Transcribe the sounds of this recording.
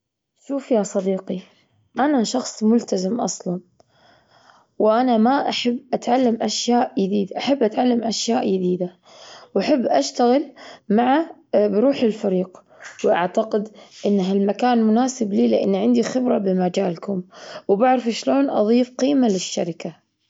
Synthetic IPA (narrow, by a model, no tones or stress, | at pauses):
ʃuːfjasˤɑd̪iːqi | ʔanaʃɑxsˤmʊlt̪azɪmʔɑ̰sˤlɑn | wʔanamaʔaħabːʔat̪ʕalːamʔaʃjaːʔjɪd̪iːd̪ʔaħabːʔat̪ʕalːamʔaʃjaːʔjɪd̪iːd̪a | wʔaħabːʔaʃt̪aɣɪlmaʕabɪɾuːħɪlfaɾiːq | wʔaʕt̪aqɪd̪ʔɪnːɦalmakaːnmʊnaːsɪbliːlɪʔanːʕɪnd̪ixɪbɾˤɑbɪmad͡ʒaːlkʊmwbaʕɾɑfʃloːnʔɑ̰ðˤiːfqiːmalɪʃːaɾɪka